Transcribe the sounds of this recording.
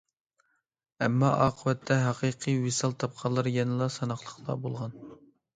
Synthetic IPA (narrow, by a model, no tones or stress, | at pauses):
ɛmːɑ̰ʔɑːqʰəwɛt̪ʰːɛɦɑqʰiqʰiwisɑlˠt̪ʰɑp̚qʰɑlˠːɑɾjɛnɨlˠɑsɑnɑχlˠəχlˠɑ̰bolˠʁɑn